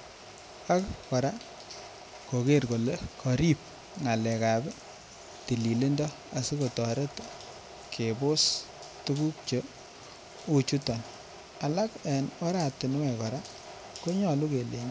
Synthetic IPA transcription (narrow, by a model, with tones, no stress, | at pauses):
a˦kkɔ˨ɾa˦ | ko˨ke˦rko˨le˦kɔ˨ɾi˦p̚ | ŋa˨lɛ˨ka˨bɛ˦ | ti˨li˨li˦ndɔ˦ | a˨sɪ˦ko˨tɔ˨ɾe˦t | kʰe˨bʊ˦s | tu˦ku˦k̚t͡ʃo˦ | u˨t͡ʃu˦tɔ˨n | a˨la˦ke˨nɔ˦ɾa˨tɪ˨n˦wɛ˨kɔ˨ɾa˦ | ko˦ɲɔ˨lu˦ke˨le˨ɲ˦